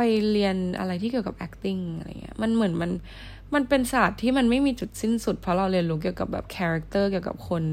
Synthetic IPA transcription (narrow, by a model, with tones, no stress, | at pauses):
a˧jli˧ənʔa̰˧ɾa˧jt̪ʰiː˥˩ki˨˩ə˩ka˨˩ʔɛ˦˥k̚t̪i˥˩ŋa˧a̰˧˩ŋːḭ˦˥ɐma˧nmɯ˩˦nma˧n | ma˧npe˧nsaː˨˩t̪ʰːiː˥˩ma˧nma˥˩jmiː˧t͡ɕu˨˩t̪̚si˥˩nsu˨˩t̪̚pʰɾɔ˦˥ɾa˧wɾi˧ənlu˦˥k̬i˨˩əwka˨˩bɛ̰ː˨˩p̚kʰɛː˧ɾa˦˥k̚t̪ɤː˥˩ki˨˩əwka̰˨˩p̚kʰo˧n